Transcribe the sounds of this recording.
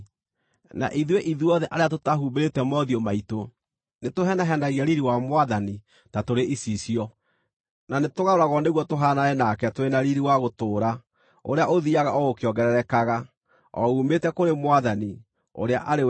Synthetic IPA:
na̰ʔiðweʔiðuɔðɛʔaɾeatotaɦuːmbeɾetɛmɔðiɔmaito | netoɦɛnaɦɛndaɣiaɾiɾiwamwaðani | tatoɾeʔisisiɔ | nanetoɣaoɾaɣɔneɣwɔtoɦaːnaɛnakɛtoɾenaɾiɾiwaɣotoːɾa | o̰ɾeaʔoðiaɣaʔɔokeɔŋɡɛɾɛɾɛkaɣa | ɔ̰umetɛkoɾemwaðani | o̰ɾea̰ʔaɾe

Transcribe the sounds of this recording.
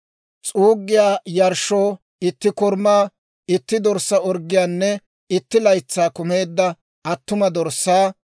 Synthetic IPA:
t͡sʼuːɡːɪjaːjɐɾʃoː | ɪt̪ːɪkʊɾmaː | ɪt̪ːɪd̪ɔɾsːɐɔɾɡɪjaːnːɛ | ɪt̪ːɪlɐjt͡sːaːkʊme̞ːd̪ːɐ | ɐt̪ːʊmɐd̪ɔɾsːaː

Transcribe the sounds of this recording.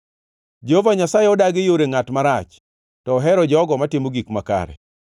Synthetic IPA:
d͡ʒeɦovaɲasajeɔdaɡɪjoɾeŋatmaɾat͡ʃ | tɔːɦɛɾɔd͡ʒɔɡɔmatɪmoɡikmaka̰ɾɛ̰

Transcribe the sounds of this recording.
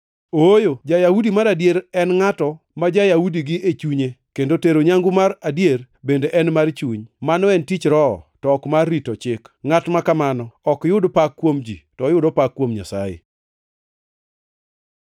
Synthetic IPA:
ojod͡ʒajahudimaɾadjeɾɛnŋatɔ | mad͡ʒajahudiɡɪʔet͡ʃuɲekendoteɾoɲaŋɡʊmaɾadjer | bendeʔɛnmart͡ʃuɲmanɔɛntit͡ʃɾɔ̰tɔɔkmarːitɔt͡ʃɪkŋatmakamanɔɔkjʊdpakːwomd͡ʒḭtɔjʊdɔpakːwomɲasa̰jḛ

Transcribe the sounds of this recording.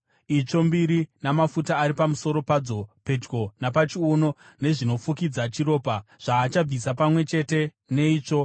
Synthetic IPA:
it͡ʂo̞mbiɾinamafutaːɾipamuso̞ɾo̞pad͡zo̞pe̞d͡ʒɡo̞napat͡ʃiono̞ | ne̞ʐino̞fukid͡zat͡ʃiɾo̞ːpaʐ̥aːt͡ʃab͡visapamwe̞t͡ʃe̞te̞ | ne̞iːt͡ʂo̞

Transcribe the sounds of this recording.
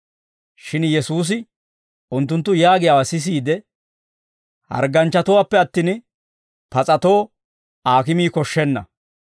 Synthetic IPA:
ʃɪnjɛsuːs̬ɪ | ʔʊnt̪ːʊnt̪ːʊjaːɡɪjaːwasɪs̬iːd̪ɛ | hɐ̰ɾɡɐnt͡ʃːɐt̪ɔwaːpːɛɐt̪ːiːn | pɐt͡sʼɐt̪o̞ː | aːkɪmiːkɔʃːɛnːɐ

